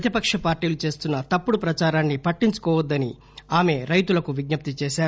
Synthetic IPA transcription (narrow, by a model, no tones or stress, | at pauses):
ɐt̪ipɐkʂɐpaːɾʈiːlut͡ʃe̞ːst̪unːɐt̪ɐpːuɽupɾɐt͡ʃaːɾaːnːipɐʈːiɲt͡ʃu̥kɔːʋɐd̪ːɐni | aːme̞ɾɐjt̪ulɐkuʋiɡ̚ɲɐp̚t̪it͡ʃeːʃaːɾu